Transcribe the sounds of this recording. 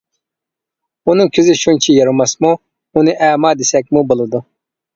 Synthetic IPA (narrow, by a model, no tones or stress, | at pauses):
unɨŋkʲʰizɪʃunt͡ʃʰijɑɾumɑsmu | unɨʔæːmɑːd̪esɛk̚ʲmubolˠɨd̪u